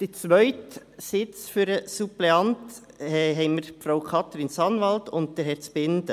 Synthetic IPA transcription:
d̥it͡sʋœʏt | sɪt͡sfyɾəsupleɑnt | hɛɦɛɪməɾfɾaʊkʰɑt̪ɾɪnsɑnʋɑltʊnt̚d̥əɾhɛɾt͡sbɪndə

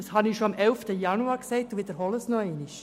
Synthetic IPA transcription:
ɑshɑnɪʃoɑmɛlftəjɑnuɑːɾkseɪt̚d̥uʋɪd̥əɾɦɔləsnɔɛnɪʃ

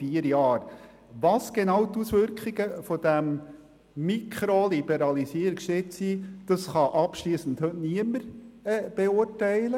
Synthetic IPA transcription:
fiəɾjɑːɾ | ʋɑsɡ̥enɑwtusʋʏɾkχiɡəfɔd̥æm | mikʰχɾolib̥ɛɾɑlisiəɾikʃtetsid̥ɑsχɑʔɑpʃliːsn̩thɵtniəməɾɛb̥euɾtɛɪlə

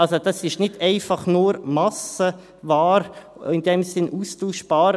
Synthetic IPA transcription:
ɑlsod̥ɑsɪʃnɪdɛɪfɑχnuːɾmɑsə | vɑːɾ | ɪnd̥ɛmsɪnʔuːstuːʃb̥ɑːɾ

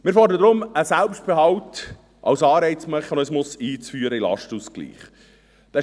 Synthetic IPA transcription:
mɪːɾfɔːdəd̪ɾʊməsælpʃt̚b̥eɦɑwt | ʔɑ̰wsɑːɾɛɪt͡smœχnœsmʊsiːt͡sfyːəɾəilɑ̰ʃtuːsklḭːχ | d̥ɛ

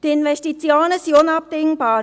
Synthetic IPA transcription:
d̥iɪnvɛstit͡sjaːnəsionɑp̚d̥̪ɪŋbɑːɾ

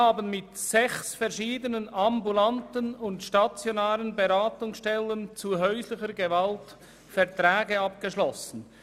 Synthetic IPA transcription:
haːbənmɪtsɛçsfɛʁʃiːdənənambulantənʊntʃtat͡sjonaːlənbeɾaːtʊŋsʃtɛlənt͡suɦœʏslɪçəɾɡevalt | fɛʁtɾɛːɡəɑpɡ̥əʃlɔsn̩

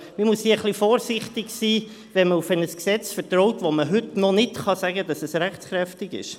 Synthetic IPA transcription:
mimusdiːəχlifɔːɾsɪχtɪɡsiː | ʋɛnməufɛnəsksɛt͡sfəɾtrɔʊtʋoməɦʏtnɔnɪtχɑsæɡədɑsɛsɾæχt͡sχɾɛftɪɡɪ̰ʃ

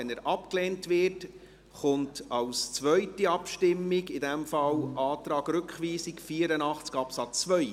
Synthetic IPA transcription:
ɛnæɾʔɑpklɛːntʋɪt | χʊntɑwst͡sʋœɥtiɑpʃtɪmːiɡɪdɛmfɑwʔɑːtɾɑːɡɾʏkχʋiːsikfiːəɾənɑχt͡skɑpsɑt͡sːʋœj

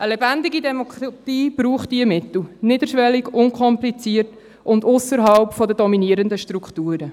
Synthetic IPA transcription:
əlɛbændɪɡidɛmɔkʰɾatiːb̥ɾuːχtdiəmɪt̪l̩nɪdəɾʃʋɛliɡʊŋkχɔmplit͡siərt | ʔʊndʊsəɾɦɑlpfɔdədɔminiəɾəndəʃtɾukχtuːɾə

